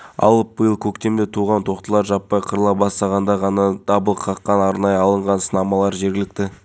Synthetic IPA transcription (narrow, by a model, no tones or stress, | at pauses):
ɑ̰lˠəp̚bəjəlˠkʲʰɵkt̪e̞md̪ɪt̪ʰuʁɑnt̪ʰo̞qt̪əlˠɑɾʒɑpːɑjqʰəɾəlˠɑbɑst̪ɑʁɑnd̪ɑʁɑnɑd̪̥ɑbəlˠəqʰːɑqːɑnɑɾnɑjəɑlˠəɴʁɑnsənɑmɑlˠɑɾʒe̞ɾɡʲɪlɪkt̪ɪ